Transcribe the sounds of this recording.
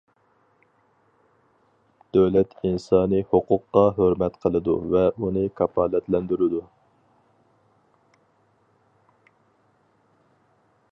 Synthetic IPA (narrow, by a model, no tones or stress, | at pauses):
d̪̥øwlɛt̪insɑːnɨhoqʰʊqːɑɦøɾmɛt̪qʰəlˠɨd̪ṵvɛʔunɨkʰɑpʰɑːlˠɛt̪lɛnd̪yɾɪd̪u